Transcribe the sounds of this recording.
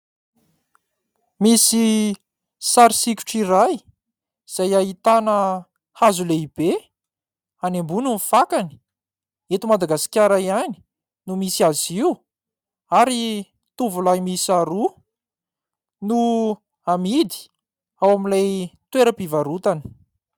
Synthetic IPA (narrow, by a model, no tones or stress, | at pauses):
misi | saɾisikʲu̥ʈ͡ʂiɾaj | z̥ajaɦit̪anə | hazuleib̥e | anembununifakani̥ | et̪umad̪aɡasi̥kʲaɾaiani̥ | numisiaziw | aɾi | t̪uvulajmisaɾu | nu | amid̪i̥ | awamilajt̪weɾəpivaɾut̪ani̥